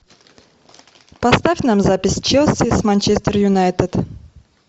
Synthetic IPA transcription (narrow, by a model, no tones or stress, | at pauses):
pɐst̪afʲnamzapʲɪsʲt͡ʃɛlˠsʲismanʲt͡ʃesʲt̪ʲɪrjʊnajt̪ət̪